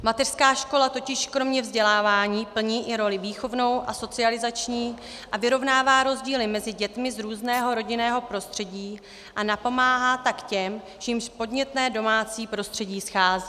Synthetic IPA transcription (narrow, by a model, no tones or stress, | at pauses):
mat̪ɛr̥skaːʃko̞lat̪o̞cɪʃkɾo̞mɲɛvzɟɛlaːvaːɲiːpl̩ɲiːʔɪɾo̞lɪviːxo̞vno̞wʔaso̞t͡sɪalɪzat͡ʃɲiː | ʔavɪɾo̞vnaːvaːɾo̞zɟiːlɪmɛzɪɟɛt̪mɪzɾuːznɛːɦo̞ɾo̞ɟɪnɛːɦo̞pɾo̞st̪r̥ɛɟiː | ʔanapo̞maːɦaːt̪akcɛm | t͡ʃiɪmʃpo̞dɲɛt̪nɛːdo̞maːt͡siːpɾo̞st̪r̝̥ɛɟiːsxaːziː